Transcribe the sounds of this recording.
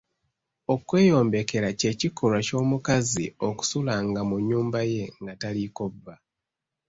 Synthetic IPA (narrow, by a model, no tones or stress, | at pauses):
o̞kwe̞ːjo̞ːmbe̞ke̞ɾace̞ːcikʰoɾwaco̞ːmukazio̞ku̥sulaŋɡamuɲːuːmbaje̞ŋɡataliko̞vːa